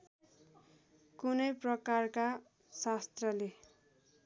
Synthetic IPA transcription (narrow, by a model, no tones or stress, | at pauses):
kunʌjprʌkarka | sast̪rʌle